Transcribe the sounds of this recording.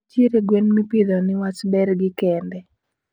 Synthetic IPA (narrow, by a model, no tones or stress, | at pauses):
t͡ʃeɾeɡwenmipid̪ɔnɪwat͡ʃbɛɾɡɪkɛndɛ